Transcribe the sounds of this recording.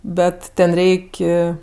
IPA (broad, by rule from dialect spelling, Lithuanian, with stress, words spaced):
ˈbʲɛt ˈtʲɛn ˈrʲɛɪkʲ